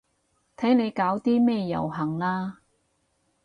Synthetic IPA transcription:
t̪ʰɐ˨˥jne˨˧jkaː˨˥wt̪iː˥mɛː˥˧jɐ̰˨˩wɦɐ˨˩ŋlaː˧

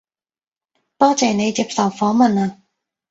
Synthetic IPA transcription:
t̪ɔː˥t͡sɛː˨ne˨˧jt͡siː˧p̚sɐ˨˩wfɔː˨˥mɐ˨naː˧

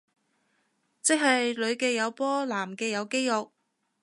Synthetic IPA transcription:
t͡sɪ˥k̚ɦɐ˨jlɵ˨˧ɥkɛː˧jɐ˨˧wpɔː˥laː˨˩mkɛː˧jɐ˨˧wke˥jjʊ˨k̚

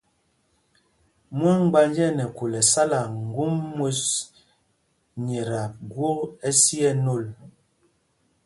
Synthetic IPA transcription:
mwa˦ŋ˦ɡ͡ba˦nd͡ʒɛ˦nɛ˨ku˨lɛ˨sa˦la˨ŋ̩˨ɡu˦mːo˦s | ɲɛ˨ɾa˨ɡwo˦ɛ˦si˦ɛ˦no˦˨l

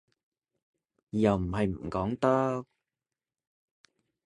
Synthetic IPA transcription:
jɐ˨wm̩˨˩ɦɐ˨jm̩˨˩kɔː˨˥ŋt̪ɐ˥k̚

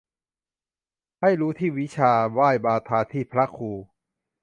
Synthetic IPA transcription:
ha˥˩jɾuː˦˥t̪ʰiː˥˩wi˦˥t͡ɕʰaː˧waː˥˩jbaː˧t̪ʰaː˧t̪ʰiː˥˩pʰɾa˦˥kʰuː˧

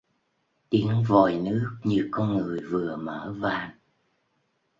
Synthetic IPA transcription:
t̪i˨˦əŋvɔ˨˩jnɨ˦˥ək̚ɲɨ˧kɔ˧nŋɨ˨˩əjvɨ˨˩əməː˧˩vaː˧˩n

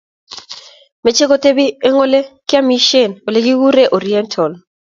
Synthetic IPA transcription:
me˨˦t͡ʃe˦ko˦te˦bi˦ɛ˦ŋɔ˦le˦kɪ˦a˦mi˦ʃe˦˨no˨le˦ɡi˦wu˦ɾe˦ʔɔ˨ɾi˨ɛ˦ntʰɔ˨l

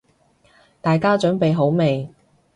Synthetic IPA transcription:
t̪aː˨jkaː˥t͡ʃœː˨˥ŋpe˨jɦo˨˥wme˨j

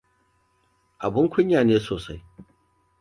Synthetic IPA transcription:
ʔa˨bʊ˦ŋkʷʰʊ˦ɲjaː˨neː˦soː˨sa˦j

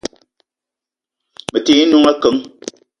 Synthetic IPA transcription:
mə˨te˨˦nu˦ŋa˦kə˨˦ŋ

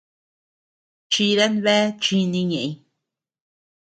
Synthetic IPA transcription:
t͡ʃi˧ɾe˦nβe˦t͡ʃi˧nĩ˧ɲẽ˨ʔĩ˧

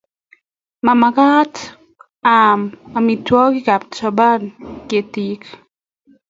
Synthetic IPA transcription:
ma˨maka˦t | ama˨mi˨twɔ˦ki˦ka˨p̚t͡ʃɔba˦nke˨tik

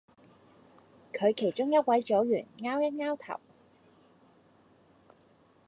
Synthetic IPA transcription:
kʰɵ˨˧ɥkʰe˨˩jt͡ʃʊ˥ŋjɐ˥t̚wɐ˨˥jt͡so˨˥wjyː˨˩nŋaː˥wjɐ˥t̚ŋaː˥wt̪ʰɐ̰˨˩w

